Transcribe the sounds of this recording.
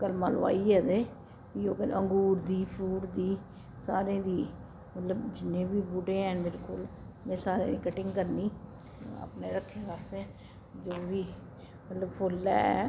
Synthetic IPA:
kəlmaːlʋa̰ːiːɛːd̪eː | p̪iːoːkəʔə̃ŋɡuːɾd̪iːpʰuːɽd̪iː | saːɾẽːd̪iː | mət̪ləbd͡ʒɪnːẽːbiːbuɖẽːɛ̃nbɪɾkʊl | mẽːsaːɾḛ̃ːd̪iːkəʈɪ̃ŋɡkəɾniː | ə̰pneːɾəkʰːeːɡaːseː | d͡ʒoːʋiː | mət̪ləbpʰʊlːɛ̰ːɛ̰

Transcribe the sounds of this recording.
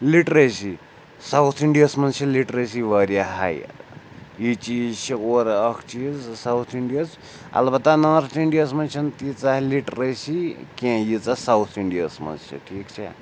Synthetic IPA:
liʈɾesi | sawt̪ʰiɳɖijɐsmɐnt͡ʃʰiliʈɾesiʋəɾijaɦa̰j | it͡ʃiːzt͡ʃʰioɾɐkʰt͡ʃiːzsawt̪ʰiɳɖijɐs | ɐ̰lbɐt̪anaːɾt̪ʰiɳɖijɐsmɐnt͡ʃʰɐnt̪it͡saɦliʈɾesikẽːjit͡sasawt̪ʰiɳɖijɐsmɐ̰nt͡ʃʰḭʈʰiːkt͡ʃʰɐ̰

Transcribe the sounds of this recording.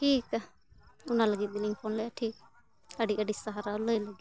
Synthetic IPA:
ʈʰiːka | unaləɡit̪̚miliŋpʰɔnlɛjaʈʰik̚ | əɖiəɖisaɦaɾaləjləɡi

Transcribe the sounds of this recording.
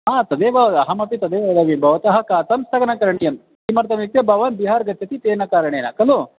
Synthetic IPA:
ɦaːt̪ɐd̪eːʋɐɐɦɐmɐpit̪ɐd̪eːʋɐd̪ɐʋibʱɐʋɐt̪ɐɦɐkat̪ɐmst̪ʰɐɡɐnɐkɐɾɐɳijɐm | kimɐɾt̪ɐmik̚t̪ebɐʋaːnbiɦaːɾɡɐt̪ʰjɐt̪it̪eːnɐkaːɾɐɳeːnɐkɐlo

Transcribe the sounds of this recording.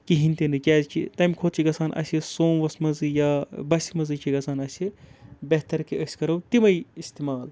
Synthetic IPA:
kiɦinʲt̪inɨkʲaːzt͡ʃʰḭt̪ɐmʲikʰoːt̪t͡ʃʰiɡɐsʰaːnʔɐ̰sʲisoːmʋɐsmɐzɨjaːbɐsʲimɐzɨt͡ʃʰiɡɐsʰaːnɐsʲibeɦt̪ɐɾkiɐsʲkɐɾɐwt̪imɐjist̪iːmaːl

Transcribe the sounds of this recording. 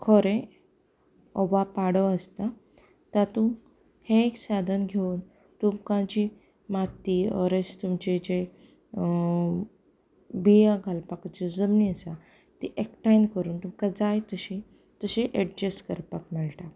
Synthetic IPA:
kʰoɾẽ | ɔbapaɽəəst̪a | t̪at̪um | hẽeksad̪ʱanɡʱeuːn | t̪umkãt͡ɕi | mat̪iɔ̰ɾest̪umt͡ɕed͡ʑe | bijaɡʱalpakət͡ɕed͡zəmniəsa | t̪iʔekʈajnkəɾuːnt̪umkad͡zajt̪əɕi | t̪əɕiʔeɖ̚d͡ʑeskəɾpak̚mɛɭʈa

